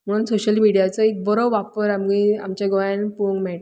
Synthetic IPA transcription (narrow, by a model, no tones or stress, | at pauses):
m̤əɽ̃uːnsoɕəlmiɽijat͡sɔek̚bəɾəwʋapəɾamɡia̰mt͡ɕaɡɔjãnpuŋɡmɛʈ